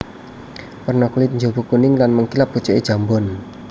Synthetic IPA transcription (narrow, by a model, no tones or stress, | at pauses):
pərnɔkulɪt̪̚ɲd͡ʒobukunɪŋlanməŋkilap̚ut͡ʃɔʔed̥ʒ̥a̤mbɔn